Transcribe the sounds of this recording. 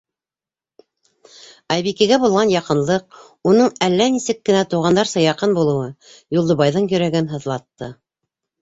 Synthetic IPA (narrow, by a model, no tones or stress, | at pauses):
ɑjβikiɡæbulˠʁɑnjɑqɤ̆nlˠɤq̚ | unɤɴælːænisɘkːɘ̆næt̪uʁɑnd̪ɑɾsɤ̆jɑqɤnbulˠɤ̆wɤ | julˠd̪ŏβɑjðɤɴjɵ̆ɾæɡɘnɦɤ̆ðlˠɑt̪ːɤ